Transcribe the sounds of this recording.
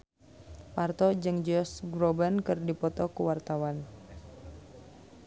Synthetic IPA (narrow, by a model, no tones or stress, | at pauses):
part̪ɔd͡ʒɨŋd͡ʒɔsɡɾɔbənkɨrdipɔt̪ɔkuwart̪awan